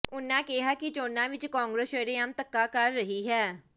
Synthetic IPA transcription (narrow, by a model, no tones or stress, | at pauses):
ʊnːãːkɪɦaːkɪt͡ʃoːnːãːʋɪt͡ʃkãːŋɡɾeseːɾeːamt̪əkːaːkəɾːəɦiːɦɛː